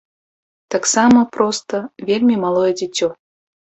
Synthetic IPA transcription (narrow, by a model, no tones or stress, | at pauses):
t̪aksaməpɾɔst̪əvʲelʲmʲimalˠɔjɛd͡zʲɪt͡sʲɔ